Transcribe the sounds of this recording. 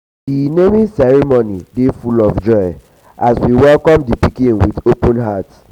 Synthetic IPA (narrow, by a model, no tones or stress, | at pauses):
inemĩsɛɹimonidefulɔfd͡ʒɔɪ | aswiwɛlkɔ̃mdipikĩnwidopɔ̃nɦat